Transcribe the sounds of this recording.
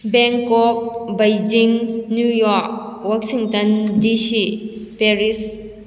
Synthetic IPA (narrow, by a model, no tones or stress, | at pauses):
bɛŋkɔk̚bɐjd͡ʒiŋnjujɔɾk̚wak̚siŋtɐndisipeɾis